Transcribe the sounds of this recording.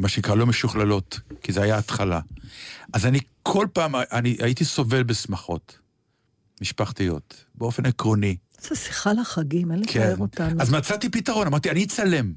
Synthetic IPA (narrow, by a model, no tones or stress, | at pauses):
maʃenikʁalo̞meʃuχlalo̞tkizeajaːt̪χala̰ʔazanikʰolpaːmaaniʔaitiso̞ve̞lbesmaχo̞̰t | miʃpaχt̪ijo̞̰tbeo̞fe̞nekʁo̞ni | zasi̥χalaχaɡimenlekeeotanazmat͡satipitaʁo̞namaʁtianit͡sale̞m